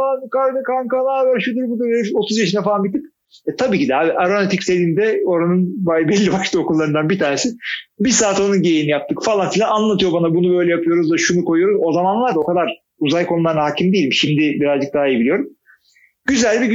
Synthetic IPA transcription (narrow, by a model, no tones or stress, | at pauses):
faankaɾnɯkankanabøɾʃyd̪iɾbid̪ueiʃo̞t̪ʰuzjaʃɯnafalˠanbit̪ːip | ɛt̪ʰabiːcid̪ɛhaːbiʔaɾonat̪ʰicsed̪iːnd̪ɛo̞ɾanɯnbabɛlʲːibaʃt̪ʰɯo̞kulˠːaɾɯnd̪anbit̪ʰaːnesɪbisaːt̪onunɟejejinijap̚t̪ʰɯkfalˠanfilʲananlˠat̪ʰɯjo̞banabunubø̞jlʲɛjapʰɯjo̞ɾuzd̪aʃunuko̞jujo̞ɾuzo̞zamanlˠaɾd̪ao̞kʰad̪aɾ | uzajkʰo̞nulˠaɾɯnaɦacʰimd̪ejilʲimʃimd̪ɪbiɾazd͡ʒɯk̚d̪aːijebilijo̞ɾum | ɟyzælʲbi